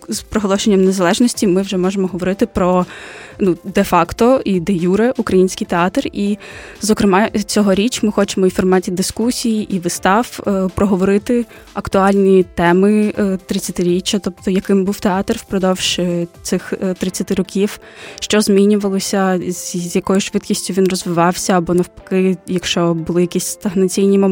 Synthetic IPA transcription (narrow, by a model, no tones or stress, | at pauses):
zpɾɔɦɔlˠɔʃenʲːɐmnezɐlˠɛʒnɔsʲtʲimɪwʒɛmɔʒemɔɦɔʋɔɾɪt̪ɪpɾɔnud̪ɛfɑkt̪ɔid̪ejuɾɛʔukɾɐjinʲsʲkʲijt̪eɑt̪rizɔkɾɪmɑt͡sʲɔɦɔɾʲit͡ʃmɪxɔt͡ʃemɔifɔrmɑtʲid̪ɪskusʲijiʔiʋɪst̪ɑwpɾɔɦɔʋɔɾɪt̪ɪ | ɐkt̪ʊɑlʲnʲit̪ɛmɪt̪ɾɪt͡sʲːɐt̪ɪɾʲit͡ʃːɐt̪ɔp̚t̪ɔjɐkɪmbuwt̪eɑt̪rwpɾɔd̪ɔwʃɪt̪sɪxt̪ɾɪt͡sʲːɐt̪ɪɾɔkʲiw | ʃt͡ʃɔzmʲinʲʊʋɐlˠɔsʲɐzʲjɐkɔjʊʃʋɪt̪kʲisʲtʲʊʋʲinrɔzʋɪʋɑwsʲɐːbɔnɐwpɐ̥kɪjɐkʃt͡ʃɔbʊlˠɪjɐkʲisʲst̪ɐɦnɐt͡sʲijnʲimɔ